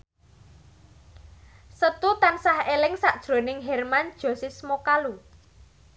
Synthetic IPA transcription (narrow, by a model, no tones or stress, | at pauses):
sət̪ut̪ansahelɪŋsaʔd̥ʒ̥ɾo̤nɪŋɦɛrmand̥ʒ̥ɔ̤sismokalu